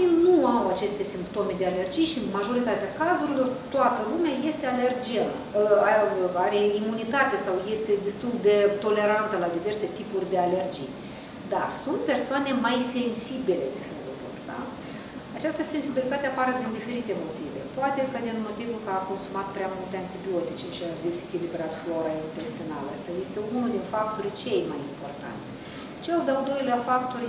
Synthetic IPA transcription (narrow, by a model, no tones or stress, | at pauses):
inuawat͡ʃe̞st̪e̞simpt̪o̞me̞d̪eale̞rd͡ʒijʃimaʒo̞ɾit̪at̪eakazuɾilo̞rt̪oat̪əlumeaje̞st̪e̞ale̞rd͡ʒija | aaɾe̞imunit̪at̪esawje̞st̪e̞d̪est̪ulˠd̪e̞t̪o̞le̞ɾant̪əlad̪ive̞rse̞t̪ipurʲd̪e̞ale̞rd͡ʒḭj | d̪a̰rsunt̪̚pe̞rsoane̞majse̞nsibile̞d̪efelṵlṵrd̪a̰ | at͡ʃast̪əse̞nsibilit̪at̪eapaɾəd̪ind̪ife̞ɾit̪e̞mo̞t̪ive̞̰poat̪e̞kəd̪inmo̞t̪ivulkəako̞nsumat̪̚pɾeamult̪eant̪ibio̞t̪it͡ʃeʃiad̪e̞zekʲilibɾat̪flo̞ɾaint̪e̞st̪inaləst̪aje̞st̪e̞unuld̪infak̚t̪oɾʲt͡ʃe̞jmajimpo̞rt̪a̰nt̪sʲ | t͡ʃeld̪eald̪o̞jleafak̚t̪orʲ